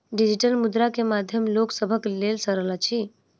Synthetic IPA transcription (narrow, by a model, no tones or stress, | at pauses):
ɖid͡ʒiʈəlmud̪ɾakemad̪ʱjəmloksəbʱəklelsəɾəlat͡ʃʰi